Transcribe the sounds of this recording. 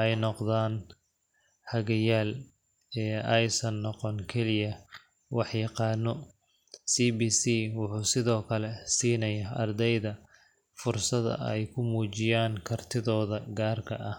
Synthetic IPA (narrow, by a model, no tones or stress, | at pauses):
ʔɛjnɔqðaːn | hɐɣɐjaːl | ɛːɛjsɐnːɔqɔnkʰɛlɪjɐ | wɑħjɑqɑːnːɔ | siːbiːsiːwʊħuːsɪðɔːkʰɐlɛsiːnɐjaːʔɐrd̪ɛjðɐ | fʊrsɐðɐ̰ɛjkʰʊmuːt͡ʃɪjaːŋkʰɐrt̪ʰɪðɔːðɐɡaːrkʰɐʔɐh